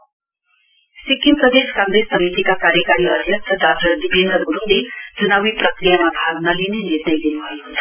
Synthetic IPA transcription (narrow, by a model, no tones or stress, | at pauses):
sikimpɾəd̪eskãŋɡɾesəmit̪ikakaɾjəkaɾiəd̪ʱjənt̪ʰəd̪ad̪ʰʱəɾd̪ibʱẽnd̪əɡuɾund̪et̪unaʋipɾəkɾijamabʱaɡnalineniɾnəjd̪inuɦa